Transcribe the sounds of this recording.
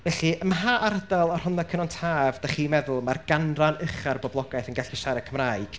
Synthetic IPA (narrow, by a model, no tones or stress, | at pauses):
vɛɬiəmɦaʔaɾdalˠɔr̥hʊnakʰənɔntʰaːvdaχiːmɛðʊlˠmarɡanranəχarbɔblˠɔɡajθənɡaɬiʃaɾɛkʰəmraːɨɡ̥